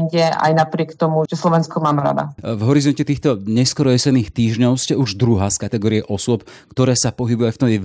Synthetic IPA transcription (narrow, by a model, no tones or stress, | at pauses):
ɲɟɛʔa̰jnapɾɪɛkt̪ɔmud͡ʒɛslɔʋɛnskɔmaːmɛɾa̰d̪a̰vɦɔɾizɔncɛt̪iːxt̪ɔɲɛskɔɾɔjɛsɛd̪niːxt̪iːʒɲɔʊscɛuʒd̪ɾuɦaskat̪ɛɡɔːɾiɛʔɔsʊɔpkt̪ɔɾɛːsapɔɦibujajft̪ɔmɛ